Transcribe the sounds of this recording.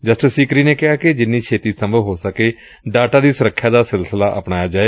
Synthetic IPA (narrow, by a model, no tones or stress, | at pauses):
d͡ʒəsʈəsiːkɾiːneːkɪɦaːkɪd͡ʒɪnːiːt͡ʃʰeːt̪iːsəmbʱəɦoːsəkeː | ɖaːʈaːd̪iːsʊɾəkʰːjaːd̪aːsɪlsəlaːʔəpɽaːjaːd͡ʒaːeː